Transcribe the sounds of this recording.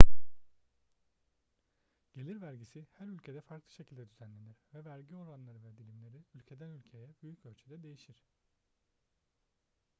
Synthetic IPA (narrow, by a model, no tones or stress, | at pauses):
ɟ̥e̞lʲiɾvæɾɟisihæɾylʲcʰe̞d̪ɛfaɾklˠɯ̥ʃe̞cʰilʲd̪ɛd̪yzænlʲe̞niɾ̥vɛvæɾɟio̞ɾanlˠaɾɯvɛd̪ilʲimlʲe̞ɾiylʲcʰe̞d̪ænylʲcʰe̞jɛbyjycø̞lʲt͡ʃʰyd̪ɛd̪e̞jiʃiɾ̥